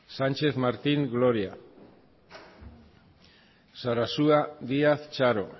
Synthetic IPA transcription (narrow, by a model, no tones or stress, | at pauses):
sant͡ʃe̞θmaɾt̪iŋɡlo̞ɾia | saɾasuad̪iaθt͡ʃaɾo̞̰